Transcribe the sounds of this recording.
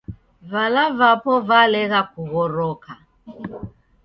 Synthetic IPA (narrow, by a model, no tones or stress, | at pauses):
valavapɔvalɛɣakuɣɔɾɔkʰa